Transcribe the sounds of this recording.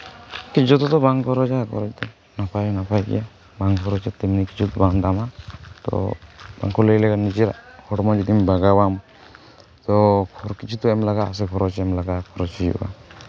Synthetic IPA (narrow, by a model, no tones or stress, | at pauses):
kid͡ʒɔt̪ɔt̪ɔbaŋkɔɾɔd͡ʒakʰɔ̰ɾɔt͡ʃt̪ɔ | napʰajnapʰajkɛ̰ja | baŋkʰɔɾɔt͡ʃat̪ɛmniki̥t͡ʃʰut̪ɔbaŋd̪amat̪ɔ̰b̥a̰ŋkʰɔlejlɛɡanid͡ʒiɾa̰ʔhʰɔɽmɔd͡ʒid̪imbaɡawam | t̪ɔkʰɔɾkit͡ʃʰut̪ɔɛmlaɡaːs̬ɛkʰɔɾɔt͡ʃɛmlaɡakʰɔɾɔt͡ʃid͡ʒṵʔa̰